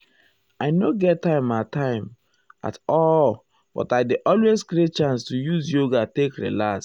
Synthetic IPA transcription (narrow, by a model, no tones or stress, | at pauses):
aɪnoɡɛttːãɪ̃matãɪ̃m | a̰tɔl | b̥ɔ̰taɪdeʔɔlwezkɾet͡ʃãnstujuzjoɡatekɹḭlas